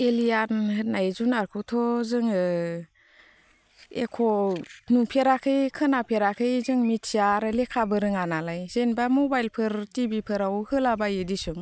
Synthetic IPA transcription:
elijanɦɯt̚najzunaɾkʰɯtʰɔzɯŋɯ | ḛkʰɔnupʰeɾakʰɯjkʰɯnapʰeɾakʰɯjzɯŋmitsijaɾɯlekʰabɯɾɯŋanalajzenbamɔbajlpʰɯɾtibipʰɯɾawhɯlabajɯdisɯŋ

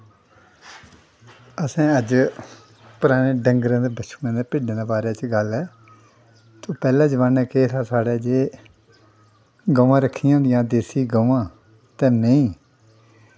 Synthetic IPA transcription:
əsãːəd͡ʒ | pʊɾaːneːɖəŋɡɾãːd̪eːbəʃʰu̥ːnãːd̪eːpɪɖãːd̪eːbaːɾeːt͡ʃɡəlɛː | t̪oːpɛːlãːd͡ʒəʋaːnɛːkeːt̪ʰaːsaːɽeːd͡ʒeː | ɡəʋãːɾəkʰːijãːd̪jãːd̪eːsiːɡəʋãː | t̪ɛ̃ːnẽĩː

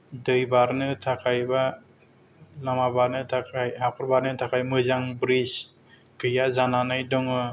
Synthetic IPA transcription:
dɯjbaɾnɯtʰakʰajba | lamabaɾnɯtʰakʰajhapʰɯɾbaɾnɯtʰakʰajmɯzaŋbɾis | kʰɯjazananɯjdɔŋɯ

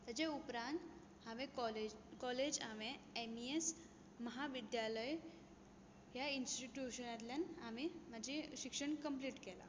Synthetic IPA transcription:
t̪ad͡ʑeupɾãnt̪ | haʋẽɔlekɔled͡ʑamẽemies | məɦaʋid̪jaləj | ɦjainsʈiʈjuɕənat̪ljanamim̤ad͡ʑʱeɕikʂəɳkəmpliːʈkɛla̰

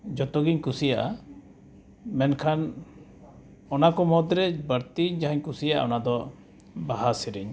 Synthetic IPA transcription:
d͡ʒɔt̪ɔɡiɲkusijaʔa | mɛnkʰan | ɔnakɔmɔd̪ɾɛbəɾt̪iɲd͡ʒaɦaɲkusijaʔa̰ɔnad̪ɔ | baɦasiɾiɲ

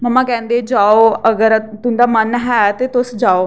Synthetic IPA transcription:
məmãkɛ̃ːnd̪ed͡ʒaoɐɡəɾt̪ũnd̪amənɦɛt̪et̪osd͡ʒao

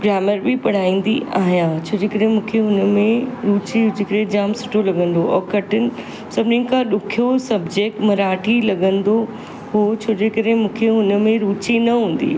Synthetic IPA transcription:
ɡɾaːməɾbɪpɐɽ̤aːĩːn̆d̪iʔaːɦijãt͡ɕʰoːd͡ʑekəɾɦẽmũːkʰeʊnmẽɾuːt͡ɕiʊd͡ʑɪkəɾẽd͡ʑaːmsʊ̥ʈʰolɐɡə̃nd̪oʔɔːɾkɐʈʰɪnɪ̆ | sɐbnɪnɪ̆kʰãɗʊkʰijosɐbd͡ʑeːk̚ʈmɐɾaːʈʰilɐɡə̃nd̪o | ɦoːt͡ɕʰoːd͡ʑeːkəɾɦẽmũːkʰeʊnmẽɾuːt͡ɕinɐɦũːn̆d̪ḭː

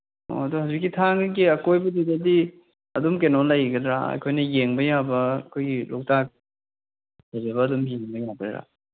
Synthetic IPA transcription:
o̰ɐduhawzik̬ːitʰaŋɡiɐkojbɐdidɐdi | ɐdumkenolɐjɡɐdɾa̰ɐ̰jkʰojnɐjeŋbɐjabɐkʰojɡilok̚tak̚ | zɐɾebɐːdumhinɐbɐjaɡɾeɾa̰

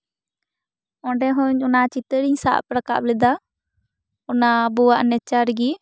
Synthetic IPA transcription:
ɔ̃ɖɛɦɔ̃ɲɔnat͡ʃit̪əɽiɲsa̰ʔpɾaka̰ʔplɛd̪a | ɔnabuwaʔnɛt͡ʃaɾɡi

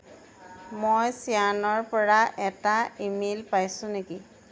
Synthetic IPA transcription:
mojsianɔɹpɔɹaʔɛtaimelpajsʊ̃neki

